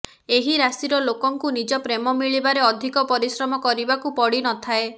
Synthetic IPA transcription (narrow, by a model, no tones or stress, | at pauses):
eɦiɾasiɾɔlokɔŋkunid͡ʒɔpɾemɔmiɭibaɾeɔd̪ʱikɔpɔɾisɾɔmɔkɔɾibakupɔɽinɔt̪ʰae